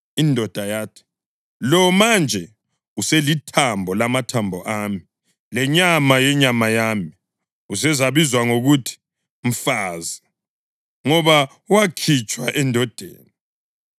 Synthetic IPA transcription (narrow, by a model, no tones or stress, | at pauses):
indʱɔd̥ʱajaːtʰi̥ | lɔmand͡ʒʱɛ | uselitʰambʱɔlamatʰambʱɔʔaːmi | lɛɲamajɛɲamajaːmi | usɛzaβizwaŋoɣutʰi̥ | m̩faːzɛ | ŋɔβa | uwakʰit͡ʃʼwaʔɛndʱɔd̥ʱḛːni